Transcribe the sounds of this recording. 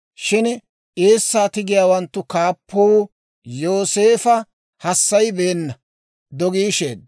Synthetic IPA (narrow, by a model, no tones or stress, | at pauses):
ʃɪn | ʔeːsːaːt̪ɪɡɪjaːwɐnt̪ːʊkaːpːɔw | joːse̞ːfɐ | hɐsːɐjbeːnːɐ | d̪ɔɡiːʃḛːd̪̚